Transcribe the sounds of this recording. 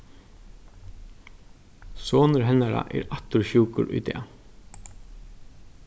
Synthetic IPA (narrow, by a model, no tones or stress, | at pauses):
soːnəɾɦɛnaɾa̰ʔɛ̰ɾat̪ʊɹçuːkʊɾʊ̰jd̪ḛː